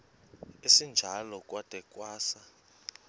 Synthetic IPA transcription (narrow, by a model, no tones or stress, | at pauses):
isind͡ʒʱalɔkʼwatʼɛkʼwaːsa